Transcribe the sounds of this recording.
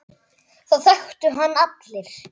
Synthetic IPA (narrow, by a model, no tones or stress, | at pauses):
θawθɛxt̪ʏɦanːat̪lɪɾ̥